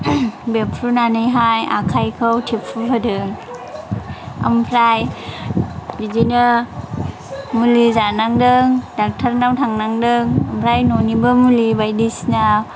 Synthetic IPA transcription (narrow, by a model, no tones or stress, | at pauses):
bepʰɾunanɯjɦaja̰kʰajkʰɯwtʰepʰubʰɯdɯŋ | a̰mpʰɾaj | dizinɯ | mulizanaŋdɯŋdak̚tʰaɾnawtʰaŋnaŋdɯŋəmpʰɾajnonibɯmulibajdisna